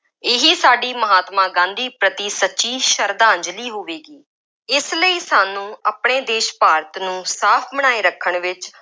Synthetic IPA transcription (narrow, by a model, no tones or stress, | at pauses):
ɪɦiːsaːɖiːməɦaːt̪mãːɡãːnd̪iːpɾət̪iːsətːʃiːʃəɾd̪ãːɲd͡ʒliːɦoʋeːɡiː | ɪsləiːsaːnũːəpɳeːd̪eːʃpaːɾət̪nũːsaːpʰməɽ̃aːeːɾəkʰːəɳʋɪt͡ʃ